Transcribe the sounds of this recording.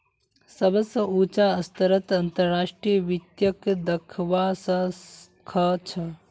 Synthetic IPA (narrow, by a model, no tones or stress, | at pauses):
sɐbɐsɐuːt͡ʃaɐst̪ɐɾɐt̪ɐnt̪ɐɾːaːʂʈɾijəʋit̪jɐkd̪ɐkʰʋasɐ | kʰɐt͡ʃʰɐ